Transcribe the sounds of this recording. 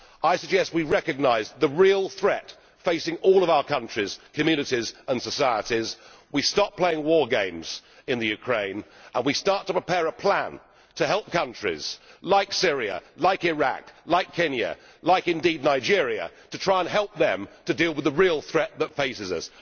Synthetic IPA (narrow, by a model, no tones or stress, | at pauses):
aɪsɨɡ̚d͡ʒɛst̚wiɹɛkɨɡ̚naɪzðəɹilˠθɹɛt | feɪsɪ̃ŋɔlˠʌvaʊə˞kʰʌ̃nt͡ʃɹ̥iz̥kʰɨmjʉnɨɾizə̃nsɨsaɪəɾiz | wistɑpʰl̥eɪɪ̃ŋwɔɹɡẽɪ̃mz̥ɨ̃nðɨjʉkʰɹ̥ẽɪ̃nʔə̃nwistɑˑɹtʰəpɹ̥ɨpʰɛɹəpʰl̥æ̃n | tʰɨɦɛlˠp̚kʰʌ̃nt͡ʃɹ̥ḭz̥laɪksɪɹiɨ̰laɪkɪɹæ̰klaɪkʰɛ̃njɨ̰ | laɪkɨ̃ndidⁿnaɪd͡ʒɪɹiɨ̰tɨtʰɹ̥aɪə̃nɦɛlˠp̚ðɨ̃mtʰɨdilˠwɨðəɹilˠθɹɛt̪̚ðətfeɪsɨzʌ̰s